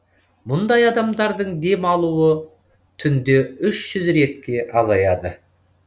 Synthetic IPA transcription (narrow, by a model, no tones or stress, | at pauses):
mʊnd̪ɑjɑd̪ɑmd̪ɑɾd̪əɴd̪e̞mɑlˠuwə | t̪ʰʏnd̪e̞ʏʃʒ̥ʏzɾe̞t̪kʲe̞ʔɑzɑjɑd̪ə